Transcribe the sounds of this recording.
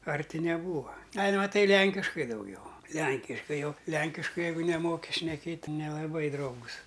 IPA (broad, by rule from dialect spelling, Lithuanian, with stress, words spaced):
ˈɐrʲtʲɪ nʲɛˈbuːʋɐ ˈɐlʲ mɐˈtɐɪ ˈlʲɛŋʲkʲɪʃkɐɪ dɐʊˈɡʲɛʊ ˈlʲɛŋʲkʲɪʃkɐɪ ˈjɛʊ ˈlʲɛŋʲkʲɪʃkɐɪ ˈjɛɪɡʊ nʲɛˈmoːkʲɪ ʃʲnʲɛˈkʲeːtʲ tʲɪ nʲɛlˠɐˈbɐɪ ˈdrɐʊɡʊs